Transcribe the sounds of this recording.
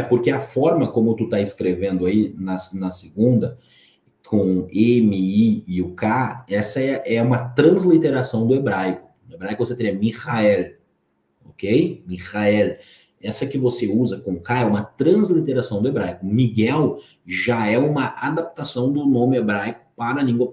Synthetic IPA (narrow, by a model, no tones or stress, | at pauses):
ɛpoɾkeɐfɔɾmɐkõmʊt̪ut̪aɪskɾevẽnd̪ʊainɐsnɐseɡũnd̪ɐ | kʰõemɪiɪʊkaɛsɐɛʔɛũmɐt̪ɾɐ̃zlit̪eɾasɐ̃w̃d̪ʊebɾajkʊ̥nʊebɾajkvoset̪eɾiɛmihaɛl | okejmihaɛl | ɛsɐkɪvoseuzɐkõʊkaɛũmɐt̪ɾɐ̃zlit̪eɾasɐ̃w̃d̪ʊebɾajkʊmiɡɛw | ʒaɛũmɐʔad̪ap̚t̪asɐ̃w̃d̪ʊnõmɪebɾajkʊ̥paɾɐlĩɡwɐ